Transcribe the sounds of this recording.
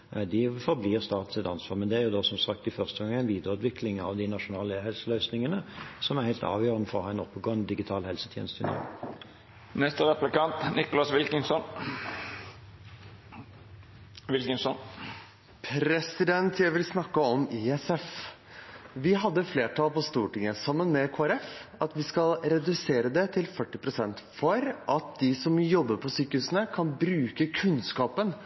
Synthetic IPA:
d̪ɪfɔʁbliːʁst̪ɑːt̪n̩sɪt̪ɑnsʋɑːʁmɛnd̪ɛæɾjʊd̪oːsɔmsɑk̚t̪ɪfœʁst̪əɡɑŋːəæɪnʋiːd̪əʁʉːt̪ʋɪkʰlɪŋɑʋd̪ɪnɑʃʊnɑːləhɛlsəlœʏsnɪŋənəsɔmæʁhæɪlt̪ɑ̰ːʋjøːʁənəfɔʁɔhɑːɛnɔpːəɡoːənəd̪ɪɡɪt̪ʰɑːlhɛlsə̥t̪ʰjɛ̰ːnst̪ʰɪ̰nɔ̰ | nɛst̪əʁɛplɪkɑnt̪nɪkʊlɑsʋɪlkɪŋsɔn | ʋɪlkəŋsɔn | pʰɾɛsɪd̪ɛnt̪ʰjæɪʋɪlsnɑkːəɔmiɛsɛf | ʋɪɦɑd̪ːəfleːʈɑːlpɔst̪uːʈɪŋːəsɑmːənmɛkʰoːæɾɛfɑt̪ʋɪskɑlɾɛd̪ʉseːɾəd̪ɛt̪ʰɪlfœʈːɪpɾʊsɛnt̪fɔɾʔɑt̪̚d̪ɪsɔmjɔbːəɾpʰɔsyːkəhʉsənəkʰɑnbɾʉːkəkʰʉnskɑːpən

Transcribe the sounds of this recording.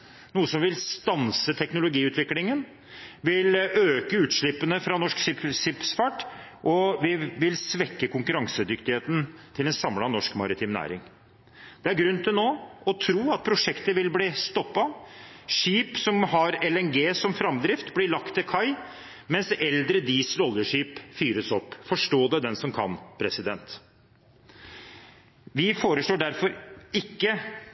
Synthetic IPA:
nuːəsɔmʋɪlst̪ɑnsət̪ʰɛknʊlʊɡiːʉːt̪ʰʋɪklɪŋən | ʋɪløːkəʉːt̪ʂɭɪpːənəfɾɑnɔʂkssɪpsfæʈː | ʔɔʋɪʋɪlsʋɛkːəkʰʊŋkʉɾɑŋsəd̪ʏkt̪ɪheːt̪ən̩t̪ʰɪlɛnsɑmlɑnɔʂkmɑ̰ɾɪt̪ʰiːmnæ̰ːɾɪ̰ŋ | d̪̥ɛæɾɡɾʉnt̪ʰɪlnoːɔt̪ʰɾuːɑt̪̚pʰɾʊʂɛkt̪əʋɪlbliːst̪ɔpːɑʂiːpsɔmhɑɾɛlɛnɡeːsɔmfɾɑmd̪ɾɪft̪blɪɭɑkt̪ʰːɪlkʰɑɪ | mɛnsɛld̪ɾəd̪iːsəlɔlːəʂiːpfyːɾəsɔpːfɔʂʈoːd̪ɛd̪ɛnsɔmkʰɑ̰npʰɾɛsɪd̪ɛnt̪ | ʋɪfoːɾəʂɭoːɖæɾfɔɾɪkːə

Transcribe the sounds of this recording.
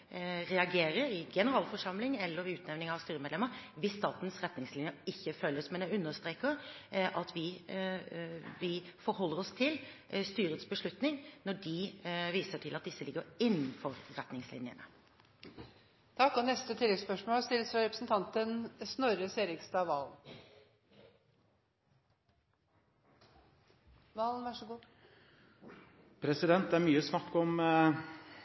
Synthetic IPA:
ɾɛɑɡeːɾəɾɪɡɛnəɾɑːlfɔʂɑmlɪŋɛlːəɾɪʉːt̪nɛʋnɪŋɑʋst̪yːɾəmɛd̪lɛməʋɪsːt̪ɑːt̪n̩sɾɛt̪nɪŋslɪnjəɪçːəfœlːəsmɛnd̪ɛɾʉnːəʂt̪ɾeːkəʔɑt̪ʰʋɪ | ʋɪfɔɾhɔlːəɾɔst̪ʰɪlst̪yːɾət̪sbəʂɭʉt̪nɪŋnɔɖɪʋiːsəʈʰɪlɑt̪̚d̪ɪsːəlɪɡːəɾɪnːnfɔɾɾɛt̪nɪŋslɪ̰njə̰nə | t̪ʰɑkːɔnɛst̪ət̪ʰɪlːɛɡspœʂmoːlst̪ɪlsɾɑɾɛpɾəsn̩t̪ʰɑnt̪ənsnɔɾəseːɾɪkst̪ɑːʋɑln | ʋɑlnʋɑʂəɡuː | pʰɾɛsɪd̪ɛnt̪̚d̪ɛæɾmyːəsnɑkːɔm

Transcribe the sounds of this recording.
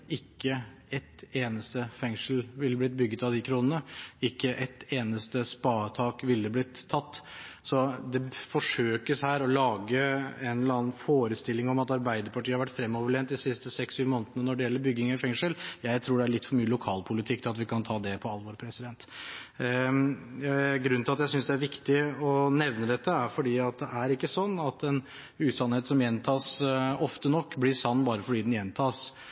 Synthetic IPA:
ɪkːəɛt̪eːnəst̪əfɛŋʂəlʋɪlːəblɪt̪̚bʏɡːət̪ɑʋd̪ɪkʰɾuːnənəɪkːəʔɛt̪eːnəst̪əspɑːt̪ʰɑːkʋɪlːəblɪt̪ʰːɑt̪ːsɔd̪ɛfɔʂøːkəshæːɾɔlɑːɡəɛnlɑːn̩foːɾəst̪ɪlːɪŋɔmɑt̪ɑɾbæɪd̪əɾpʰɑʈiːɑɾʋæʈːfɾɛmːɔʋəɭeːnt̪̚d̪ɪsɪst̪əsɛksyːʋmoːnt̪ənənɔɖɛjɛlːəɾbʏɡɪŋfɛŋʂəljæɪt̪ʰɾuːɖɛæɭɪt̪ːfɔɾmyːəlʊkʰɑːlpʰʊlɪt̪ʰɪkːt̪ʰɪlɑt̪ʋɪkʰɑnt̪ʰɑːd̪ɛpʰɔɑlʋɔːɾpʰɾɛsɪd̪ɛnt̪ | ɡɾʉnːɪlɑt̪jæɪsʏnsd̪ɛæɾʋɪkt̪ɪɔnɛʋnəd̪ɛt̪ːəæɾfɔɖiːɑt̪̚d̪ɛʔæɾɪkːəsɔnːɑt̪ɛn | ʉːsɑnheːt̪sɔmjɛnt̪ʰɑːsɔft̪ənɔkːblɪʂɑnːbɑːɾəfɔɖiːd̪ɛnjɛnt̪ʰɑːs

